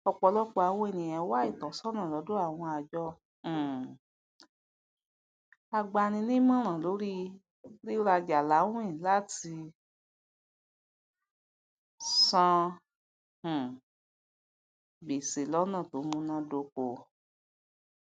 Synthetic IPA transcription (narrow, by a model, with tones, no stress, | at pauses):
ɔ˧k͡pɔ˧lɔ˦k͡pɔ˧a˧w̃ɔ̃˦e˦˨nĩ˨j̃ɛ̃˧˦wa˦i˦˨tɔ˨˦sɔ˦nã˦˨lɔ˨˦do˦a˦˨w̃ɔ̃˧a˧d͡ʒɔ̃˧˨ | a˧ɡ͡ba˧˨nĩ˧nĩ˦mɔ̃˦ɾ̃ã˨lo˨˦ɾi˦ | li˦ɾa˧d͡ʒa˨la˨˦w̃ĩ˦˨la˦ti˧ | sã˧˨ | ɡ͡be˨se˨lɔ˦nã˦˨to˨˦mũ˧nã˦do˧ko˨